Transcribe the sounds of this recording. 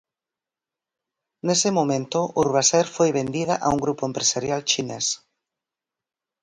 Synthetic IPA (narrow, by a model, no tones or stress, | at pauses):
nesemomẽnt̪oʔuɾβasɛɾfojβend̪iðaʔauŋɡɾupoempɾesaɾjalt͡ʃines